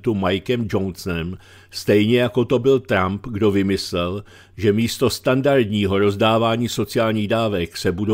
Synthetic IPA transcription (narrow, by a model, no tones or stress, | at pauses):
t̪umajkɛmd͡ʒo̞nsnɛm | st̪ɛjɲɛjako̞t̪o̞bɪlt̪ɾampɡdo̞vɪmɪslɛl | ʒɛmiːst̪o̞st̪andaɾdɲiːɦo̞ɾo̞zdaːvaːɲiːso̞t͡sɪjaːlɲiːɣdaːvɛksɛbud